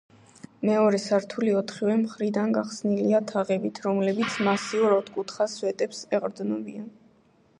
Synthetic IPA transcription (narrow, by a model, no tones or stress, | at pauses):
mɛɔɾɛsaɾt̪ʰuliɔt̪ʰχiwɛmχɾid̪anɡaχsniliat̪ʰaʁɛbit̪ʰɾɔmlɛbit̪sʰmasiuɾat̪kʼut̪ʰχaswɛt̪ʼɛpsɛʁʼɾd̪nɔbian